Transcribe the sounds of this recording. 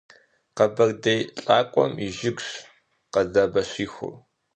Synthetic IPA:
qɐbɐrdɐjɬʼaːkʷʼɔ̰miʒɪɡʷɕ | qɐzaːbɐɕiːxʷʊ̰r

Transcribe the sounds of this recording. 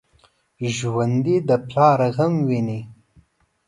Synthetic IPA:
ʒwand̪id̪əplɑːɾaɣamwini

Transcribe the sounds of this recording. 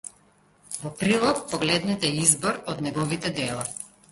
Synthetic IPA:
vɔpɾilˠɔk̚pɔɡlɛd̪nɛt̪ɛizbɔɾɔd̪nɛɡɔvit̪ɛd̪ɛlˠa

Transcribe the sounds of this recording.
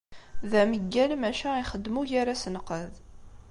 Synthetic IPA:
ðæməɡːælmæʃæiχəd̪ːmuʝaɾasənqəð

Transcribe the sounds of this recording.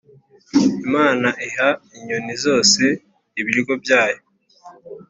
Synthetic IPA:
imaːnaʔiɦaiɲonizo̞ːse̞ | iβiɾiɡo̞bjaːjo

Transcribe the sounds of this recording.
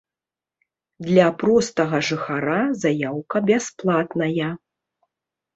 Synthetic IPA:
d̪lʲɐpɾɔst̪ɐɣɐʐɨxaɾazajawkɐbʲasplˠat̪nɐjɐ

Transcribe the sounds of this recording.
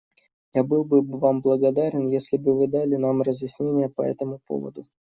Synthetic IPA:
jabɨlˠbɨvamblˠəɡɐd̪aɾʲɪnjesʲlʲɪbɨvɨd̪alʲɪnamrəzjɪsʲnʲenʲɪjəpɐɛ̰t̪əmʊpo̞̰və̰d̪ʊ

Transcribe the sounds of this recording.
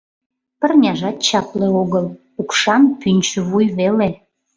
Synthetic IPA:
pə̆rnʲɑʒɑt̪̚t͡ɕɑpleoɣəl | ukʃɑnpynʲt͡ɕəβujβele

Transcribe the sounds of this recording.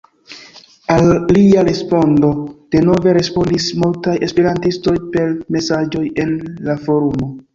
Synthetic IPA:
alːiaɾe̞spo̞ndo̞d̥e̞no̞ve̞ɾe̞spo̞ndismultaje̞spe̞ɾantisto̞jpe̞ɾme̞sad͡ʒo̞je̞nlafo̞ɾumo̞

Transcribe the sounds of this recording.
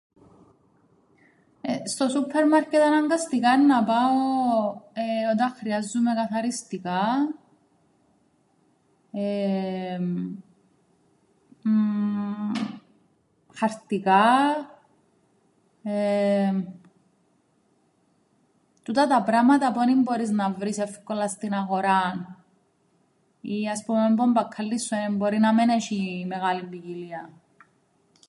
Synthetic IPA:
est̪osupʰːeɾmaɾket̪anaŋɡast̪ikanːapao | eod̪aχɾiazːumekaθaɾist̪ika | e | χaɾt̪ika | e | t̪ut̪ɐt̪ɐpɾamɐt̪ɐpuenimbo̞ɾiznɐvɾisefkolɐst̪inɐɣoɾan | iɐspumembombɐkʰːɐlːisːuenimbo̞ɾinɐmeneʃimeɣaliɱviciliɐ

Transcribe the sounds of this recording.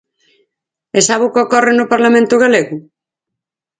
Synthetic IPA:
esaβukokɔrenʊpaɾlamẽnt̪uɣ̞aleɣu

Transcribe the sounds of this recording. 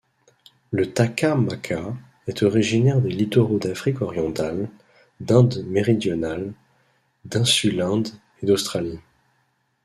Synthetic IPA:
lət̪akamakʰa | ɛt̪ʰɔʁiʒinɛʁd̪elit̪ɔʁod̪afχikɔʁjɑ̃t̪al | d̪ɛ̃d̪meʁid̪jɔnal | d̪ɛ̃sylɛ̃d̪ | ed̪ost̪χali

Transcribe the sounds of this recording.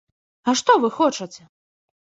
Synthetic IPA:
ɐʂt̪ɔvɨxɔt͡ʂɐt͡sʲɛ

